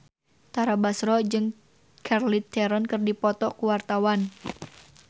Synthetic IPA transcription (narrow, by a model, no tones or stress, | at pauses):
t̪aɾabasɾɔd͡ʒɨŋ | kʰarlit̪ʰɛɾɔnkɨrdipɔt̪ɔkuwart̪awan